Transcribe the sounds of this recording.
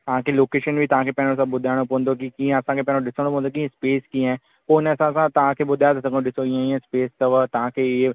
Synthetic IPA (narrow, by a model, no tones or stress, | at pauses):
t̪ɐʋ̤ãkʰeloːkeːʃənbʱit̪ɐʋ̤ãkʰeːpɐ̃ɦɪ̃os̬ãɓʊd̪ʱaːɪɽ̃opɐʋə̃nd̪okikĩːẽɐsãkʰeːpɐ̃ɦɪ̃oɗɪsəɽ̃opɐ̃ʋ̃ə̃nok̬ĩːẽspeːskĩːɦɛ̃ | poːɪnəɐsãsãt̪ɐʋ̤ãkʰeːɓʊd̪ʱajot̪ɐsʰɐkɗɪsoiːẽiə̃speːst̪ɐʋət̪ɐʋ̤ãkʰeɪɦ